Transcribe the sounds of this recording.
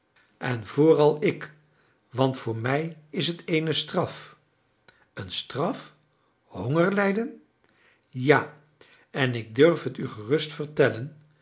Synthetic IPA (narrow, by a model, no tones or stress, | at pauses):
ɛnvʊːrɑlˠɪk | ʋɑntfʊːɹmɛjɪs̬ɦətʰejnəstrɑf | ənstrɑf | hoŋəɹlɛjdən | jaː | ɛnɪɡ̚dɵɹfɦətyχərɵstfəɹtɛlən